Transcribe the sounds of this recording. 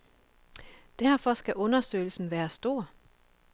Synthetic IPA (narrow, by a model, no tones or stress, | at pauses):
d̥æɐfɒsɡ̥æʔɔ̽nɐsø̰ːɪl̩sn̩ʋæːɐsd̥o̝̰ɐ̰